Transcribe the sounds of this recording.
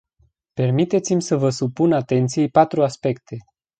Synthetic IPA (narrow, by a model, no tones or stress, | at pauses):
pe̞rmit̪e̞t̪simʲsəvəsupunat̪e̞nt̪sijejpat̪ɾuaspe̞kt̪ʰe̞